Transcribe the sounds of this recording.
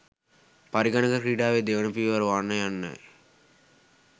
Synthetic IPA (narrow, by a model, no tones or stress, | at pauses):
pɐɾiɡɐɳɐkɐkɾiːɖaːʋed̪eːʋɐnɐpiːʋɐɾʋanːɐjanːɐ̰j